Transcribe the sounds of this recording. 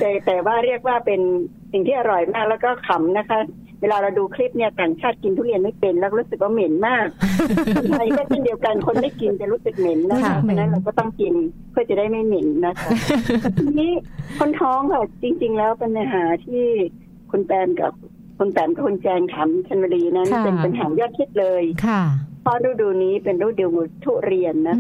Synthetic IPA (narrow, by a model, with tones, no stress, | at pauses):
t̪ɛː˨˩t̪ɛː˨˩waː˥˩ɾi˥˩ək̚waː˥˩pe˧n | si˨˩ŋt̪ʰiː˥˩ʔa˧ɾɔ˨˩jmaː˥˩k̚lɛː˦˥wkɔː˥˩kʰa˨˦mna˦˥kʰa˦˥ | weː˧laː˧ɾa˧wduː˧kʰli˦˥˩p̚ni˥˩ɐt̪aː˨˩ŋt͡ɕʰaː˥˩t̪̚ki˧nt̪ʰu˥˩li˧˩ənma˥˩jpe˧nlɛː˦˥kɾu˦˥sɯ˨˩k̚waː˥˩me˩˦nmaː˥˩k̚ | a˧˩ji˥˨se˥˩ndi˧əwka˧nkʰo˧nda˥˩jki˧nt͡ɕa˨˩ɾuː˦˥sɯ˨˩k̚me˩˦nːa˦˥kʰa˧˦˥pʰa˧na˦˥nɾa˧wkɔː˥˩t̪ɔ˥˩ŋki˧n | pʰɯ˥˩ət͡ɕa˨˩˦daː˥˩jma˥˩jme˩˦nːa˦˥kʰa˦˥t̪ʰi˧niː˦˥kʰo˧˥nt̪ʰɔː˦˥ŋkʰa˥˩t͡ɕi˧ŋt͡ɕi˧ŋlɛː˦˥wpe˧na˧nɦaː˩˦t̪ʰiː˥˩ | kʰu˧npɛː˧mka̰˧˩ | kʰu˧npɛː˧˩mka˧˩kʰu˧nt͡ɕɛː˧ŋt̪ʰa˩˦mkʰa˧nwa˧liː˧na˦˥n˥pe˧npa˧nɦaː˩˦jɔː˥˩t̪kʰe˦˥t̪̚lɤː˧jkʰpʰɔ˦˥ɾuː˥˩duː˧niː˦˥pe˧nɾuː˥˩duː˧mː˧t̪ʰu˥˩ɾi˧ənːa˦˥